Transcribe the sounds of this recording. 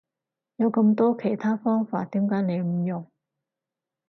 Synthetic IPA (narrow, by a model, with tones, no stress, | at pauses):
jɐ˨˧wkɐ˧mt̪ɔː˥kʰe˨˩jt̪ʰaː˥fɔː˥ŋfaː˧t̚t̪iː˨˥mkaː˨˥ne˨˧jm̩˨˧˩jʊ˨˩ŋ